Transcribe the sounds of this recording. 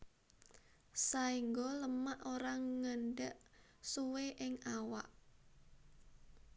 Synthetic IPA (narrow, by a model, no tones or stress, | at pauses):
saiŋɡɔləmaʔoɾaŋŋənɖəʔ | suweʔɪŋawa̰ʔ